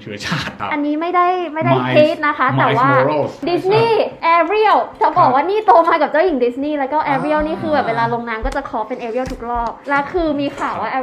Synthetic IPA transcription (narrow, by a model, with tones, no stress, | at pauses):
t͡ɕʰaː˥˩ʔa˧nːiː˦˥ma˥˩jda˥˩jma˥˩jda˥˩jkʰeː˦˥t̪̚na˦˥kʰa˦˥t̪ɛː˨˩waː˥˩di˨˦˥sniː˥˩ʔɛː˧ɾi˥˩əwt͡ɕa˨˧˩bɔː˨˩k̚waː˥˩niː˥˩t̪oː˧maː˧ka˨˩p̚t͡ɕaː˥˩wji˨˩˦ŋdi˨˦˥sniː˥˩lɛ˦˥kɔː˥˩ʔɛː˧ɾi˥˩əwniː˥˩kʰɯː˧bɛː˨˩p̚weː˧laː˧lo˧ŋnaː˦˥mkɔː˥˩t͡ɕa˨˩kʰɔː˦pe˧nʔeː˧ɾi˥˩əwt̪ʰu˦˥k̚lɔː˥˩k̚lɛ˦˥kʰɯː˧miː˧kʰaː˨˩wwaː˥˩ʔ